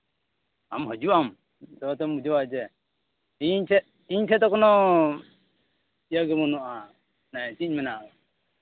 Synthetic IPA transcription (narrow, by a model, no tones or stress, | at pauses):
a̰mɦɔd͡ʒuam | d̪ɔt̪ɛmud͡ʒɔwad͡ʒɛ | iɲtʰɛ | iɲtʰɛt̪ɔkɔnɔ | ijəɡɛmɔnɔʔa | nat͡ʃiɲmɛnaɔ